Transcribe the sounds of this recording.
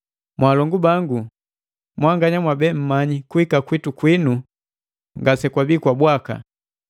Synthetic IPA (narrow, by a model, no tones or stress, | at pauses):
mwaːlɔŋɡubaŋɡu | mwaŋɡaɲamwabɛm̩maɲikuhikakwitukwinu | ŋɡasɛkwabikwabwaka̰